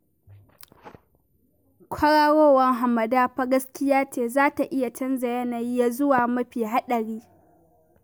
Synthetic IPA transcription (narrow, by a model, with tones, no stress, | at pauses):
kʷʰɐ˦ɽaː˦woː˦wɐ˦ŋɦa˨mɐ˨daː˦ɸa˦ɡɐ˦skʲɪ˦jaː˦t͡ʃeː˨zaː˦ta˨ʔɪ˦ja˨t͡ʃɐ˦nza˨jɐ˦naː˨ji˦ja˦zʊ˦waː˨mɐ˦ɸiː˨ɦa˦ɗɐ˨ɽiː˦